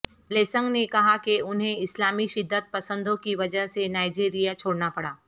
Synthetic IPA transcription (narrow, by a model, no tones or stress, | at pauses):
leːsə̃ŋɡnekɐɦakeʊnɦẽɪslaːmiʃɪd̪ːət̪̚pɐsə̃nd̪õkiʋɐd͡ʒəɦsenaːɪd͡ʒiːɾijat͡ʃʰoːɽnapɐɽaː